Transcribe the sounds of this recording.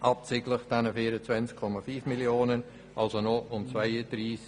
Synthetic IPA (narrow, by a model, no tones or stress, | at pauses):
ʔɑp̚t͡sɪɡləχd̥ɛnəfiːəɾət͡svɛnskʰɔmafyːfmiljoːnən | ʔɑlsonɔʊmt͡svaɪəd̥ɾiːs